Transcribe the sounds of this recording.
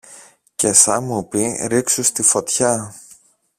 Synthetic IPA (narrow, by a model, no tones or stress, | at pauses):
ce̞sɐmupiɾiksust̪ifo̞t̪çɐ